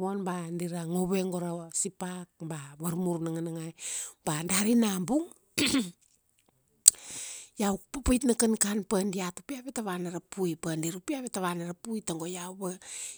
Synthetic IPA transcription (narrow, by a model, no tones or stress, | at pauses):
βonbandiɾaŋo̞βe̞ŋɡo̞ɾasipak̚baβaɾmuɾnaŋanaŋajb̥andaɾinambuŋ | jawpapajtnakankanpandiatupiaβetaβanaɾapujpandiɾupiaβetaβanaɾapujtaŋɡojawβe